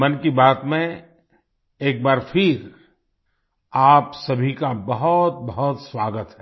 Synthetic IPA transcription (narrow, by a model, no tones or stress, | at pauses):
mɐnkibaːt̪mẽ | eːk̚baːɾfʰɪɾ | aːpsɐbʱikabɐɦʊt̪̚bɐɦɔt̪swaːɡət̪ɦɛː